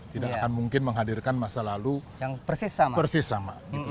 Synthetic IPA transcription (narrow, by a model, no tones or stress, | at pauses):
t̪idakakanmuŋkɪnməŋɦadirkanmasalalujaŋpərsɪsːamapərsɪsːama̰ɡiu